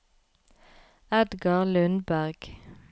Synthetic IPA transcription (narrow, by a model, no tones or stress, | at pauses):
ɛd̪ɡɑʁlʉnbæʁɡ̥